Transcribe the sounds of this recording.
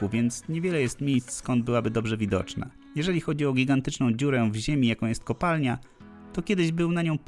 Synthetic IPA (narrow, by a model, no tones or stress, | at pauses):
uvʲjɛnt̪sɲɛvʲjɛlɛjɛst̪mʲejst̪sskɔnd̪̚bɘwabɘd̪ɔbʐɛvʲid̪ɔ̰t͡ʂna̰ | jɛʐɛlʲixɔd͡ʑiɔɡʲiɡant̪ɘt͡ʂnɔ̃w̃d͡ʑuɾɛvʑemʲijakɔ̃w̃jɛst̪̚kɔpalɲa | t̪ɔkʲɛd̪ɘʑbɘwnaɲɔ̃w̃p